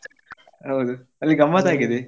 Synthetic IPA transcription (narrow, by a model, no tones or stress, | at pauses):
ɦɐwd̪u | ɐlːiɡɐmat̪aːɡid̪e